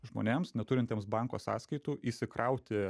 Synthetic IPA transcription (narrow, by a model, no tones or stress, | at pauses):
ʒmo̰ːnʲeːmsnʲɛt̪ʊɾʲɪnʲt̪ʲeːmsbɐŋkoːsɑ̰ːskɐɪt̪uːʔiːsʲɪkɾʔɐʊt̪ʲɪ